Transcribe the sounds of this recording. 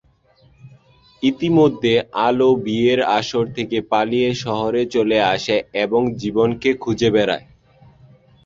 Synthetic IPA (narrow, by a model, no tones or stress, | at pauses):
it̪imod̪ʱːealobieɾaʃoɾt̪ʰekepalijeʃɔɦoɾet͡ɕoleaʃaeboŋd͡ʑibonkekʰud͡ʑebɛɾa̰e